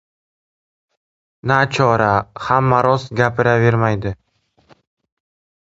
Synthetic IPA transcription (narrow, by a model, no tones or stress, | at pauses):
nat͡ʃʰɒɾahamːaɾɒsɡʲapʰɪɾave̞ɾmajd̪ɪ